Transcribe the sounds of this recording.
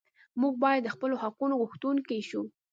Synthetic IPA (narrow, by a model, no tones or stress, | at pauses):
muɡ̚bɑjad̪ːəxpəlohaqunoɣuxt̪unkejʃu